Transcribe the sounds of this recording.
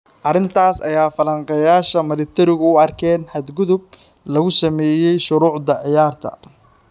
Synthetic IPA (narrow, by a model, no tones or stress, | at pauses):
ʔɑrɪnt̪ʰaːsɐjaːfɐlɐŋqɑjaːʃɐmɪlɪt̪ʰɪɾɪɣʊʊɑrkʰɛːnħɐd̪ɡʊðʊb̚ | lɐɣʊsɐmɛːjɛjʃʊɾuːʕðɐʕɪjaːrt̪ʰɐ̰